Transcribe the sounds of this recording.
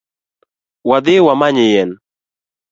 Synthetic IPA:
wad̪ɪwamaɲɪjɛn

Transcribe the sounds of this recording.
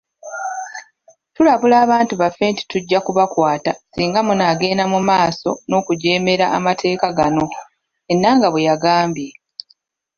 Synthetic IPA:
tulaβulaːβaːntuβafːe̞ːnti̥tuɟːakuβakwaːtasiːŋɡamunaɡe̞ːnamumaːso̞̰no̞ːkuɟe̞ːme̞ɾaʔːmatʰe̞ːkaɡano̞ | enːaːŋɡaβwejaɡaːmbje̞

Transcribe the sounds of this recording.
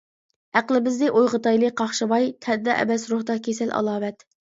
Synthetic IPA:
æqlˠɪbɪzd̪ɪʔojʁət̪ɑjlˠɨqʰɑχʃɨbɑjt̪ʰɛd̪ɛʔɛ̰bɛsɾoχd̪ɑkʲʰesælʔɑ̰lˠɑːwɛt̪

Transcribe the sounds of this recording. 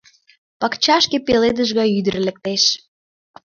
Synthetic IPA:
pɑkt͡ɕɑʃkepeled̪əʒɣɑyd̪ə̆rlĕk̚t̪eʃ

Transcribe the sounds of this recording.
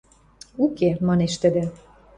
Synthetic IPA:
ukemɑneʃt̪ɘ̆d̪ĕ

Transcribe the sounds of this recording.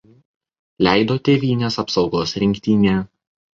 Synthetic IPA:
lʲæˑɪd̪oːt̪ʲeːʋʲiːnʲeːsɐpsɒʊɡoːsɾʲɪŋʲkʲt̪ʲiːnʲeː

